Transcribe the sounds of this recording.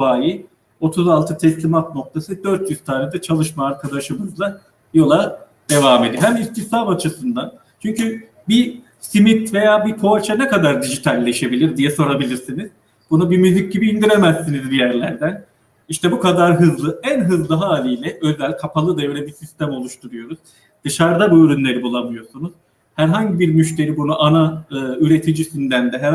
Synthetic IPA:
faːji | o̞t̪ʰuzalˠt̪ʰɯt̪ʰɛslʲimat̪̚no̞k̚t̪ʰesɯd̪øɾt̪ʰjyz̥t̪ʰaːnɛd̪ɛt͡ʃʰalˠɯʃmaːɾkʰad̪aʃɯmɯzlˠa | jo̞lˠa | d̪̥e̞vaːme̞d̪iɦɛmist̪içt̪ʰabat͡ʃʰɯsɯnd̪an | t͡ʃʰyɲcy | bi | simit̪ve̞jaːbipʰoat͡ʃʰanɛkad̪aɾd̪iʒit̪ʰalʲːe̞ʃebilʲiɾd̪ijɛso̞ɾabilʲiɾsiniz̥ | bunubimyzic̚ɟibiːnd̪iɾemæsːinizbijæɾlʲæɾd̪æn | iʃt̪ɛbukad̪aɾɦɯzlˠɯænɦɯzlˠɯɦaːlʲijlʲɛʔø̞zælʲkʰapʰalˠɯd̪ajøːlʲɛbisist̪æmo̞lˠuʃt̪ʰuɾujo̞ɾuz̥ | d̪̥ɯʃaɾd̪abuyɾynlʲe̞ɾibulˠamɯjo̞sunuz̥ | hæɾɦaɲɟibiɾmyʃt̪ʰe̞ɾibunuʔanaɯːyɾe̞t̪ʰid͡ʒisynd̪ænd̪ɛɦæɾ

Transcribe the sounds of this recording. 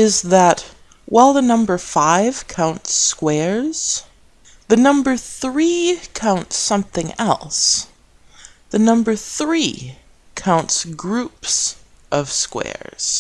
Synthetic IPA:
ɪzðət̚ | wʔaɪlˠðənʌ̃mbə˞faɪv̥kʰãʊ̃ntskwɛɹz̥ | ðɨnʌ̃mbə˞θɹikʰãʊ̃ntsʌ̃mθɪ̃ŋɛ̰lˠs | ðɨnʌ̃mbə˞θɹi | kʰãʊ̃ntsɡɹʉps | ʔʌv̥skwɛ̰ɹz̥

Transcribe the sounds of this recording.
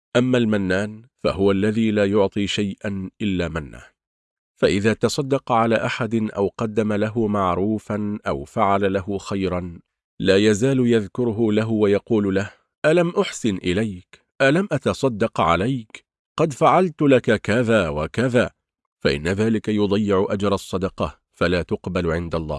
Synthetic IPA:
ʔamːalmanːaːnfa̰hʊwalːaðiːlaːjʊʕt̪ˤiːʃajʔanʔɪlːaːmanːa̰ː | faʔɪðaːt̪ɑsˤɑd̪ːɑqʕalaːʔaħad̪ɪnʔa̰wqɑd̪ːamalaɦʊmaʕɾuːfanʔawfaʕalalahʊxajɾɑn | laːjazaːlʊjaðkʊɾɦʊlaɦʊwajɑquːllah | ʔalamʔʊħsɪnʔɪlajk | ʔalamʔat̪ɑsˤɑd̪ːɑqʕa̰lajk | qɑd̪faʕalt̪ʊlakakaðaːwakaðaː | faʔɪ̰nːaðaːlɪkajʊd̪ˤɑjːɪʕʊʔad͡ʒɾˤɑsˤːɑd̪ɑqɑ | falaːt̪ʊqbalʕɪnd̪alˤːɑ̰ːh

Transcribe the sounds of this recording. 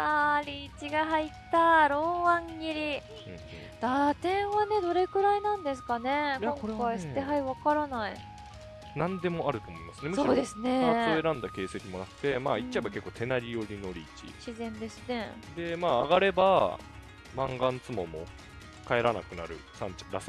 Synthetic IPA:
aɾʲiːt͡ɕiɡaɦait̪ːaɾo̞ːβãŋɡʲiɾʲi | ɯ̰̃ | d̪̥at̪ẽ̞ɰ̃βane̞d̪o̞ɾe̞kɯ̟ɾainãnd̪e̞s̬ɨ̥kane̞kõ̞ŋkaisɨ̥t̪eɦaiβakaɾanai | nãnd̪e̞mo̞ʔaɾɯ̟t̪o̞ːmo̞imasɨne̞mɯkso̞ːd̪e̞sɨne̞t͡soeɾãnd̪ake̞ːsekʲimo̞nakɯ̥t̪e̞ma̰ːit͡ɕːt͡ɕaebake̞kːoːt̪ʰe̞naɾʲijo̞ɾʲino̞ɾʲiːt͡ɕḭɕizẽ̞nd̪e̞sɨne̞d̪e̞maːɡaɾe̞ba | mã̰ŋɡãnt͡sɨmo̞̰mo̞̰ | kae̞ɾana̰kɯ̟na̰ɾɯ̟sãɲ̟t͡ɕḁɾasɨ

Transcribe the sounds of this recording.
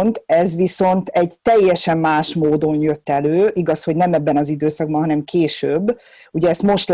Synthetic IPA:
nt̪ɛzʋiso̞nt̪ɛɟt̪ɛjːɛʃɛmːaːʃmoːd̪o̞njø̞t̪ːɛløːiɡɒsho̞ɟnɛmɛbːɛnɒzid̪øːsɒɡ̚bɒnɦɒnɛmkʰeːʃøbː | uɟɛːst̪mo̞ʃt̪l

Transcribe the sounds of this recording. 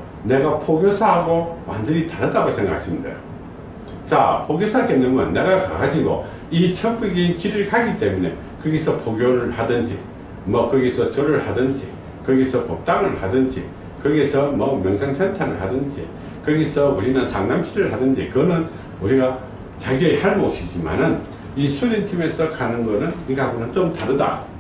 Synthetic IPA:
ne̞ɡapʰoɡjosʰaɦaɡowa̰nd͡ʑʌnitaɾɦat͈aɡosʰe̞ŋɡakʰaɕʰimidḛjo̰ | t͡ɕa̰pʰoɡjosʰakenːɯmʌnːe̞ɡaka̰kaɕʰiɡo̰ | it͡ɕʰʌp͈ɯɡinkiɾɯɭkaɡit͈e̞mune̞̰ | kɯɡesʰʌpʰoɡjoɾɯɭhadɯnd͡ʑḭ | mʌkɯɡisʰʌt͡ɕʌɾɯɭhadɯnd͡ʑḭ | kɯɡisʰʌpot͈aŋɯɭhadɯnd͡ʑḭ | kɯɡesʰʌmʌmjʌŋsʰaŋsʰentʰaɾɯɭhadɯnd͡ʑḭ | kɯɡisʰʌuɾinɯnsʰaŋnamɕʰiɾɯɭɦadɯnd͡ʑḭkɯnɯn | uɾiɡa | t͡ɕaɡjiehaɭmokɕʰid͡ʑima̰nɯn | isʰuɾintʰime̞sʰʌkanɯnɡʌnɯniɡaɡunɯnt͡ɕomtaɾɯda̰

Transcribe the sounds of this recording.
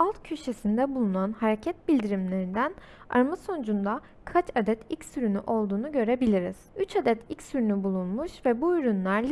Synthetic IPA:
alˠt̪cʰyʃe̞sind̪ɛbulˠunanhaɾe̞cʰɛt̪̚bilʲd̪iɾimlʲe̞ɾind̪æn | a̰ɾmaso̞nd͡ʒund̪a | kʰat͡ʃad̪ɛt̪ʰilcsyɾynyʔo̞lˠd̪uːnuɟø̞ɾe̞bilʲiɾiz̥yt͡ʃad̪ɛt̪ʰilcsyɾynybulˠunmuʃvɛbuyɾynlˠæɾʲ

